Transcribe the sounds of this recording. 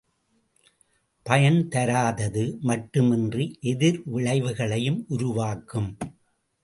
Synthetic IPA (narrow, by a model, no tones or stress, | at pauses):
pɐjɐnt̪ɐɾaːðɐðɯmɐʈːɯmɪndriʔɛðɪɾʋɪɭɐɪʋɯɣɐɭɐjɯmʔʊɾʊʋaːkɯm